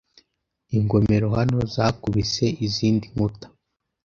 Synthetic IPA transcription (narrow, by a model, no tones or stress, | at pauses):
iŋɡo̞me̞ɾo̞hano̞zaːkuβise̞iziːndiŋutḁ